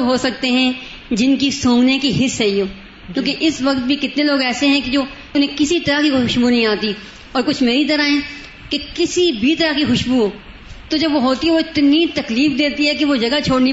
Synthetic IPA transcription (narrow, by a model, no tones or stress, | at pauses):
ɦosɐk̚t̪eɦɛ̃ | d͡ʒɪnkisõːŋɡnekiɦɪsɦɛijoː | kjõːkeʔɪsʋɐk̚t̪̚bʱikɪt̪neloːɡɛːseɦɛ̃ked͡ʒoː | ʊnɦẽkɪsit̪ɐɾaɦkixʊʊʃbunɐɦĩaːt̪i | ɔːɾkʊt͡ʃʰmeːɾit̪ɐɾaɦɛ̃ | kekɪsibʱit̪ɐɾakixʊʃbuɦoː | t̪od͡ʒɐbʋoɦoːt̪iɦɛʋoɪt̪nit̪ɐkliːfd̪eːt̪iɦɛkeʋod͡ʒɐɡat͡ʃʰoːɽni